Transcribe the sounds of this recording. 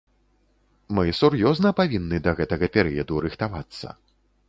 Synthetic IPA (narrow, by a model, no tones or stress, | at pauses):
mɨsurjɔznɐpavʲinːɨd̪ɐɣɛt̪ɐɣɐpʲɛɾɨjɐd̪uɾɨxt̪avat̪sːɐ̰